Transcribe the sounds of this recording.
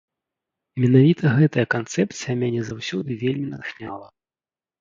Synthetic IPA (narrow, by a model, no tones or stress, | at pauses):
mʲɛnavʲit̪ʰɐɣɛt̪ɐjɐkant̪sɛp̪sijɐmʲanʲɛzawsʲɔd̪ɨvʲelʲmʲinɐ̰t̪xnʲalˠɐ